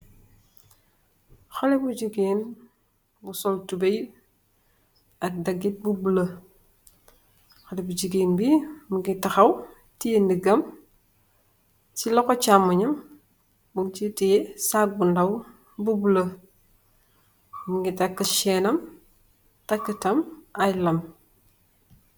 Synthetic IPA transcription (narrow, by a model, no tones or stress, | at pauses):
xɔlɛbuɟiɡeːn | busɔltubej | ɐk̚dɐɡit̚bubulɐ | xɐlɛbud͡ʒiɡeːnbimuɡitɐxɐw | tijendiɡɐm | t͡ʃilɔkɔt͡ʃamːɐɲɐm | bunt͡ʃitijɛsak̚bundɐw | bubulɐ | muŋɡitɐkːɐʃɛnɐm | tɐkːətɐmajlɐm